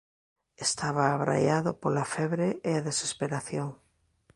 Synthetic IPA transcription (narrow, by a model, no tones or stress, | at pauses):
est̪aβaːβɾa̰jaðʊpolafɛβɾeeaðese̥speɾaθjoŋ